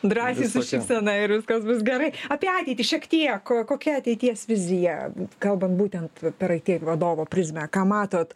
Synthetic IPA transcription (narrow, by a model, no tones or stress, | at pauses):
d̪ɾɑːsʲsʲiːsʊʃʲɪpsʲɛnɐɪɪɾʋʲɪskɐsbʊsɡʲɛɾɐɪɐːpʲiɛɑːtʲɛɪt̪ʲiʃʲiɛkt̪ʲiɛkkoːkʲɛɐt̪ʲɛɪt̪ʲiɛsʋʲɪzʲɪjɛkɐlˠbɐnt̪buːt̪ʲɛnt̪pʲɛɾɐɪt̪ʲiɛʋɐd̪oːʋoːpʲɾʲɪzʲmʲɛkɑːmɑːt̪oːt̪